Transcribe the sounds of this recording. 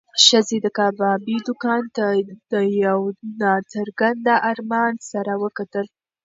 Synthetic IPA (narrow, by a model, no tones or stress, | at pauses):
ʃəzed̪əkɑbɑbid̪ʊkɑnt̪ad̪əjawnɑt͡səɾɡand̪aʔaɾmɑnsaɾawəkat̪əl